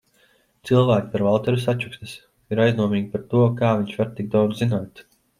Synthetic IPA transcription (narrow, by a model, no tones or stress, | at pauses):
t̪silˠvæːkʲi̥paɾvalˠt̪ɛɾusat͡ʃuksʲnʲis | iɾajznuɔmiːɡʲipaɾt̪uɔkaːviɲʲt͡ʃʋvaɾt̪ːiɡ̚d̪awd̪zzinaːt̪